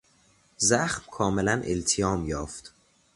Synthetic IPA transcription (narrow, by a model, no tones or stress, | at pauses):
zæxmkʰɒːmelænʔelt̪ʰijɒːmjɒːft̪